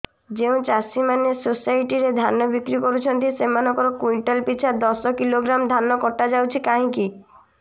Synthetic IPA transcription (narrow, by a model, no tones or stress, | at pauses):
d͡ʒeũt͡ʃasimanesosajʈiɾed̪ʱanːɔbikɾikoɾut͡ʃʰɔnt̪isemanɔkɔɾɔkwiɳʈɔlpit͡ʃʰad̪ɔsɔkiloɡɾamd̪ʱanːɔkɔʈːad͡ʒawt͡ʃʰikaɦĩki